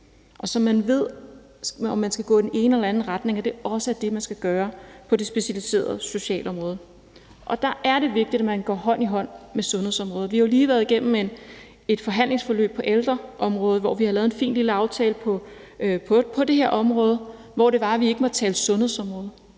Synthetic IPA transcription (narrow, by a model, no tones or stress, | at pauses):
ʔɒ̽sɒ̽mːænʋe̝ð̞̰ˠ | ɒ̽mːænsɡ̥æɡ̥ɔ̰ːdene̝ːnəelɐænn̩ʁäd̥ne̝ŋæd̥e̝ɒ̽səæɐd̥e̝mænsɡ̥æɡ̥ɶːɐpʰɒ̽de̝sb̥e̝ɕælise̝̰ːɐð̞̩ˠso̝ɕɛ̰ːlɒ̽mʁɔ̽ːð̞ˠ | ʔɒ̽d̥ɑ̈ʔæɐɾe̝ʋe̝ɡ̥̚d̥id̥æmænɡ̥ɒ̰ːɦɒ̽n̰iɦɒ̽n̰mesɔ̽nheð̰ˠsɒ̽mʁɔːð̞̩ˠʋihɑjo̝liːʋæɐðˠiɡ̥en̰m̩en | e̝d̥fɒ̽ɦæn̰le̝ŋsfɒ̽lø̰ːb̥̚pʰɒ̽ʔeld̥ʁɐʔɒ̽mʁɔ̽ːð̞̩ˠʋɒʋihɑlɛːðenfḭːndliləɑ̈ʊt͡sʰɛːləpʰɒ̽ | pʰpʰɒ̽d̥e̝he̝ɐ̰ʔɒ̽mʁɔ̽ːð̞ˠə | ʋɒ̰ɾ̥e̝ʋɑ̈æʋie̝ɡ̥əmɒ̽d̥̚t͡sʰɛːləsɔ̽nhe̝̰sɒ̽mʁɔ̽ːð̞̩ˠ